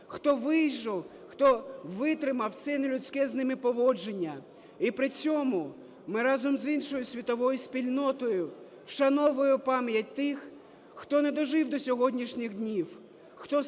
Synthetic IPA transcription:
xt̪ɔʋɪjʒɔw | xt̪ɔʋɪt̪ɾɪmɐwt̪sɛnɪlʲʊt͡sʲkɛznɪmɪpɔʋɔd͡ʒenʲːɐ | ipɾɪt͡sʲɔmʊ | mɪɾɑzɔmzinʃɔjʊsʲʋʲit̪ɔʋɔjʊsʲpʲilʲnɔt̪ɔjʊ | wʃɐnɔʋɔjʊpɑmjɐt̚ʲt̪ɪx | xt̪ɔnɛd̪ɔʒɪwd̪ɔsʲɔɦɔdʲnʲiʃnʲɪɣdʲnʲiw | xt̪ɔ

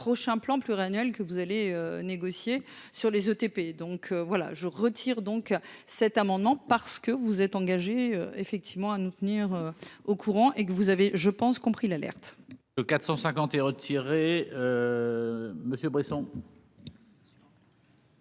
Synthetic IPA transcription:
pχɔʃɛ̃plɑ̃plyʁanɥɛlkəvuzaleøneɡɔsjesyʁlezøt̪eped̪ɔ̃kʰøvwala̰ʒəʁət̪ʰiʁd̪ɔ̃ksɛt̪amɑ̃d̪mɑ̃paʁsə̥kəvuzɛt̪ɑ̃ɡaʒeø̰efɛk̚t̪ʰivmɑ̃anut̪əniʁøokʰuʁɑ̃ʔekəvuzaveʒəpɑ̃skɔ̃pχilalɛ̰ʁt̪ | əkat̪χsɑ̃sɛ̃kɑ̃t̪ɛʁət̪ʰiʁeø | məsjøbʁisɔ̃

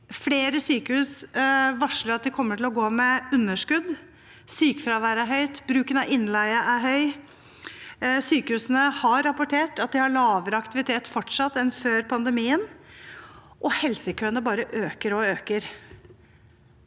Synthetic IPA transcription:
fleːɾəsyːkəhʉːsʋɑʂləɾɑt̪̚d̪ɪkʰɔmːəʈʰɪlɔɡoːmɛʉnːəʂkʉd̪ | syːkəfɾɑʋæːɾæɦœʏt̪bɾʉːkənɑɪnːlæɪəʔæɾɦœʏ | syːkəhʉːsənəhɑɾːɑpʊʈʰeːʈɑt̪̚d̪ɪhɑɭɑːʋəɾəɑkt̪ɪʋɪt̪ʰeːt̪fɔʈʂɑt̪ːɛnføːɾpʰɑnd̪əmiːən | ʔɔhɛlsəkʰøːnəbɑːɾəʔøːkəɾɔøːkəɾ

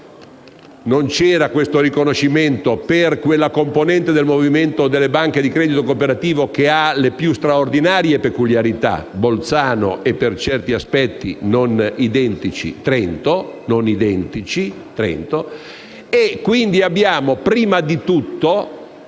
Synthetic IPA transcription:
nont͡ʃɛːɾakwest̪orikonoʃːiment̪operkwelːakomponɛnt̪ed̪elmoviment̪od̪elːebaŋked̪ikɾɛːd̪it̪okopeɾat̪iːvok̟ealepjust̪ɾaord̪inaːɾjepekuljaɾit̪a̰bolt̪saːno̰ʔepːert͡ʃɛrt̪iaspɛt̪ːḭnonid̪ɛnt̪it͡ʃḭt̪ɾɛnt̪ononid̪ɛnt̪it͡ʃi | t̪ɾɛ̰nt̪o | ekːwind̪iabːjaːmopɾiːmad̪it̪ut̪ːo

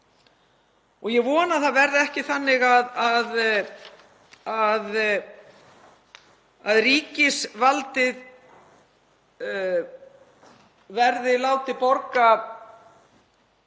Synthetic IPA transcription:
ɔɣjɛɣvɔːnaθaðvɛɾðɪɛhcɪθanːɪɣaðað | að | aðriːcɪsvalt̪ɪð | vɛɾðɪlaːwt̪ɪpɔɾka

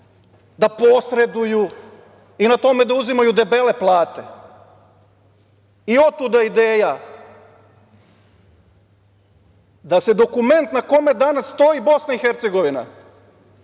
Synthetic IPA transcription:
d̪apo̞sɾe̞d̪uju | inat̪o̞me̞d̪auzimajud̪e̞be̞le̞plˠaːt̪e | io̞t̪ud̪aid̪eːja | d̪ased̪o̞kume̞nt̪nako̞me̞d̪anassːt̪o̞ibo̞snaixeɾt̪seɡo̞ʋina̰

